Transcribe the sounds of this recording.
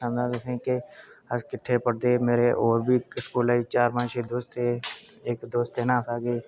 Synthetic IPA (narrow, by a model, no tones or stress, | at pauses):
ãːnd̪ãd̪ekʰẽːkeəskɪʈʰːepəɽd̪eːmeːɾeʔoːɾbʱiːkskuːlaːit͡ʃaːɾmãːt͡ʃʰeːd̪oːst̪e | eːkd̪oːst̪enãːt̪aːɡeː